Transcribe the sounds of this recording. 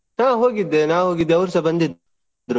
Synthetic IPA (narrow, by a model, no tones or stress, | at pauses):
naːɦoːɡid̪enaːɦoːɡid̪eʊɾsɐbɐnd̪id̪ | ɾo